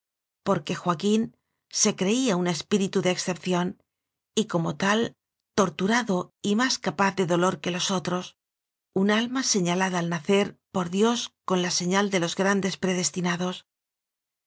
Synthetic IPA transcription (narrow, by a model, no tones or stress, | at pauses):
po̞ɾke̞xwakin | se̞kɾe̞iaune̞spiɾit̪uðeːksθe̞p̚θjo̞n | iko̞mo̞t̪al | t̪o̞ɾt̪uɾaðo̞imaskapaθðe̞ðo̞lo̞ɾke̞lo̞so̞t̪ɾo̞s | unalmase̞ɲalaðaːlnaθe̞ɾpo̞ɾðjo̞sko̞nlase̞ɲald̪e̞lo̞zɣɾand̪e̞spɾe̞ð̞e̞st̪inaðo̞s